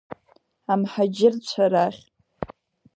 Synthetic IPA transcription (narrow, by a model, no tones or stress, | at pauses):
amħad͡ʒɪrt͡ɕʷʰaɾaχʲ